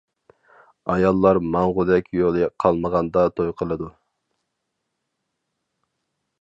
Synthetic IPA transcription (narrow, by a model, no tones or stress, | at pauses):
ɑjɑlˠːɑɾmɑɴʁʊd̪ɛkʲjolˠɨqʰɑlˠməʁɑnd̪ɑt̪ʰojqʰəlˠɨd̪u